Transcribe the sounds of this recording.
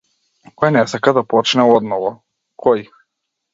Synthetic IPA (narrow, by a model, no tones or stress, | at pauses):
kɔjnɛsakad̪apɔt͡ʃnɛɔd̪nɔvɔ | kʰɔj